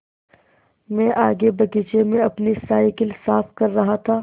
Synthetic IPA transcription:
mɛ̃ːʔaːɡebɐɡɪt͡ʃemẽɐpnisaːɪkɪlsaːfkɐɾːɐɦat̪ʰaː

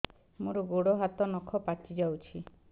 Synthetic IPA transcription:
moɾɔɡoɽɔɦat̪ɔnɔkʰɔpat͡ʃid͡ʒawt͡ʃʰi

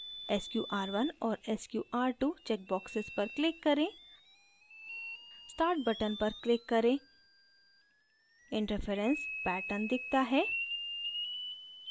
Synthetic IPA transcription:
ɛskjuːʔaːɾʋɐnɔːɾɛskjuːʔaːɾʈut͡ʃɛːk̚bɔːksɪzpɐɾklɪkːɐɾẽː | sʈaːɾʈ̚bɐʈənpɐɾklɪkːɐɾẽː | ɪ̃ɳʈəɾfʰeɾə̃nspɛːʈənd̪ɪkʰt̪aɦɛː

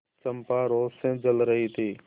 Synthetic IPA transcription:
t͡ʃəmpaːɾoːsẽd͡ʒəlɾəɦiːt̪ʰiː

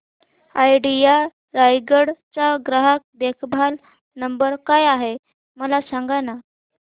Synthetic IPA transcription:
ajɖija | ɾajɡəɽt͡ɕaɡɾəɦak̚d̪ekʰbʱal | nəmbəɾkajaɦe | məlasãŋɡana

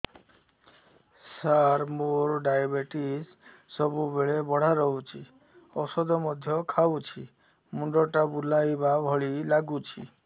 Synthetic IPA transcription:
saɾmoɾɖajbeʈisː | ɔbubeɭebɔɽ̤aɾɔɦut͡ʃʰi | ɔsɔd̪ɔmɔd̪ʱjɔkʰaut͡ʃʰi | muɳɖɔʈabulajbabʱɔɭilaɡut͡ʃʰḭ

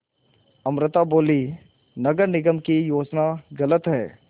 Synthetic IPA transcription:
ɐmɾɪt̪aboːli | nɐɡəɾnɪɡəmkijoːd͡ʒnaɡɐlət̪ɦɛː

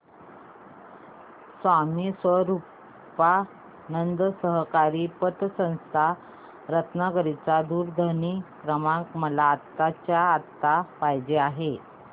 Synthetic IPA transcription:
sʋamisʋəɾu | pa | nənd̪əsəɦkaɾiːpət̪sə̃w̃st̪ʰa | ɾət̪nəɡəɾit͡sad̪uːɾd̪ʱənikɾəmãkməlaːt̪ːat͡ɕjaːt̪ːapajd͡ʑeaɦe

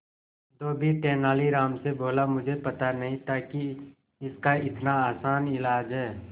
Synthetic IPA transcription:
d̪oːbʱiʈɛːnaːliɾaːmseboːlamʊd͡ʒʱepɐt̪anɐɦĩt̪aːki | ɪskaɪt̪naaːsaːnɪlaːd͡ʒɦɛː

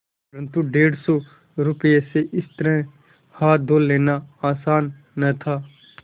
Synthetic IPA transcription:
pɾə̃nt̪uɖeːɽsɔː | ɾʊpjeseʔɪst̪əɾɛ̃ | haːt̪̚d̪ʱoːlːeːnaaːsaːnː | ɐt̪ʰaː

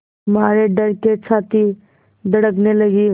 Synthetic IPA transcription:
maːɾeɖəɾket͡ʃʰaːt̪i | d̪əɽəkneləɡi

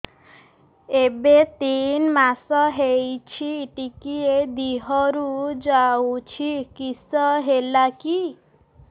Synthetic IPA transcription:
ebet̪inmasɔɦejt͡ʃʰiʈikied̪iɦɔɾud͡ʒawt͡ʃʰikisɔɦelaki

